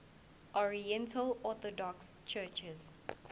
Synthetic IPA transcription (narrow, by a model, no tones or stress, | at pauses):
ʔɔɹiɛ̃ntʰəlɔθɔdɔks | t͡ʃʰɜt͡ʃɛz